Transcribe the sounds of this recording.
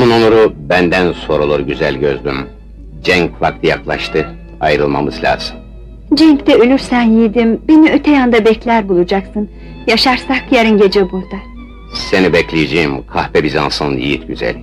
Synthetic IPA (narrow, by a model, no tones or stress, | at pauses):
nunonuɾubænd̪ænso̞ɾolˠuɾɟyzælʲɟøzd̪ym | d͡ʒɛɲkvak̚t̪ʰɯjaklˠaʃt̪ʰɯ | ajɾɯlˠmamɯzlʲa̰ːz̥ɯn | d͡ʒɛɲct̪ɛølʲyɾsænjijd̪imbeniøt̪ʰɛjand̪abɛclʲæɾbulˠud͡ʒaksɯn | jaʃaɾsakjaɾɯnɟe̞d͡ʒɛbuɾd̪a | se̞nibɛclʲijed͡ʒejimkʰahpɛbizansɯnnḭjit̪ɟyzæ̰lʲ